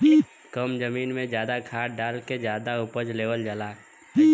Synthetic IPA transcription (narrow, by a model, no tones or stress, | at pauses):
kəmd͡ʒəmiːnmẽzjaːd̪akʰaːʈɖaːlked͡ʒjaːd̪aʊpəd͡ʒleːʋəld͡ʒəlaː